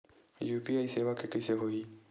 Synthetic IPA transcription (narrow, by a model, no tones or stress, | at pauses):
juːpiaːiseːwakekɪseɦoːi